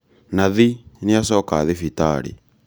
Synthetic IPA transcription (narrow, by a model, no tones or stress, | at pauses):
naðinɪasɔkaðifita̰ɾḭ